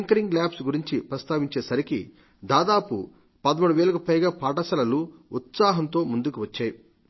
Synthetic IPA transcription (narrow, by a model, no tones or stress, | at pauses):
iŋkɐɾiŋɡlaːpsɡuɾiɲt͡ʃipɾɐst̪aːʋiɲt͡ʃe̞ːsɐɾikḭ | d̪aːd̪aːpu | pɐd̪ɐmuɽuʋɛːlukɐpɐjɡaːpaːʈɐsɐlɐluut̪saːɦɐnt̪o̞ːmund̪ukuʋɐt͡ʃːaːju